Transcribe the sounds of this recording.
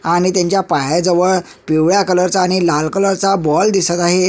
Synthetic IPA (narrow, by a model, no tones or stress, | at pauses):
aɽ̃it̪jãɲt͡ɕjapaɦajd͡zəʋəɭ | piʋɭjakələɾt͡saːɽ̃ilalkələɾt͡sabɔld̪isət̪aɦe